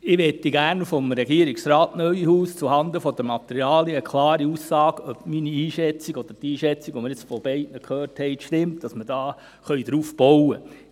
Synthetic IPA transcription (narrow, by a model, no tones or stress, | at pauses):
ɪʋɛt̪ːiɡæːɾnfɔmɾɛɡiəɾiksɾaːtnœʏɥihuːst͡suhɑnd̪əfɔd̥̪əmɑt̪ɛɾjɑːljəəkʰlɑːɾiusɑːɡ̥œbminiiːʃɛt͡siɡɔd̥̪əɾdiːʃɛt͡siɡ̥ʋomɪɾjɪt͡sfɔb̥ɛɪtnəkχøːrthɛɪtʃtɪmtd̥ɑsmədɑː | χœʏd̪ɾuːfb̥ɔwə